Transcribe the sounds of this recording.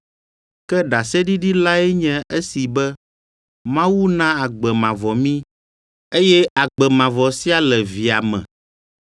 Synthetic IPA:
kɛ˦ɖa˨sɛ˦ɖi˦ɖi˦la˦ɛ˦ɲɛ̃˦ʔe˦si˨bɛ˦ | mã˦wu˦nã˦a˨ɡ͡bɛ˨mã˨vɔ˨mĩ˦ | e˦jɛ˦a˨ɡ͡bɛ˨mã˨vɔ˨si˦a˦lɛ˨vi˨a˨mɛ̰̃˨

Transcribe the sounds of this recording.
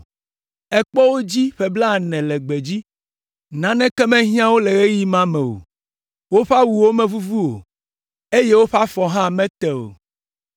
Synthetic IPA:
ɛ˦k͡pɔ˦wo˦d͡ʑi˦ɸɛ˨bla˦˨nɛ̃˨lɛ˨ɡ͡bɛ˨d͡ʑi˦ | nã˨nɛ̃˦kɛ˦mɛ̃˦ɦĩ˦ã˦wo˦lɛ˨ɣe˦ji˦mã˦mɛ̃˨wo̰˨ | wo˦ɸa˦wu˨wo˦mɛ̃˦vu˦vu˦o̰˨ | e˦je˦wo˦ɸa˦fɔ˨ɦã˦˨mɛ̃˦t̪ɛ˨o̰˨

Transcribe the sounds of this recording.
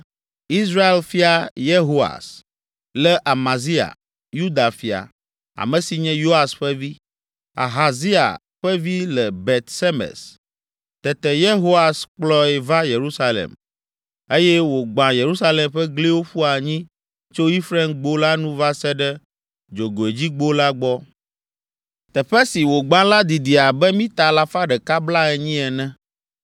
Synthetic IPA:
i˦s̬ɾa˦e˦lfi˦a˨je˦ɦo˦a̰˨s | lɛ˦ʔa˨ma˨zi˦a̰˨ | ju˦d̪a˨fi˨a̰˨ | a̰˨mɛ̃˨si˨ɲɛ̃˦jo˦a˨sɸɛ˦vi˦ | a̰˨ɦa˨zi˦a̰˨ | ɸɛ˦vi˦lɛ˨be˨t̪sɛ˦mɛ̰˨s | t̪ɛ˨t̪ɛ˨je˦ɦo˦a˨sk͡plɔ˦ɛ˨va˦je˨ɾu˦sa˦lḛ˨m | e˦jɛ˦wo˨ɡ͡bã˨je˨ɾu˦sa˦le˨mɸɛ˦ɡle˦wo˦ɸu˦a˨ɲĩ˦ | t͡ʃo˦i˦fɾɛ˦mɡ͡bo˦la˦nũ˦va˦sɛ˦ɖɛ˦ | d͡ʒo˨ɡo˨e˨d͡ʑi˦ɡ͡bo˦la˦ɡ͡bɔ˦ | t̪ɛ˨ɸɛ˦si˨wo˨ɡ͡bã˦la˦d̪i˨d̪i˨a˨bɛ˦mĩ˦t̪a˨la˦fa˦ɖɛ˨ka˦bla˦ɛ˨ɲĩ˦ɛ˨nɛ̃˦

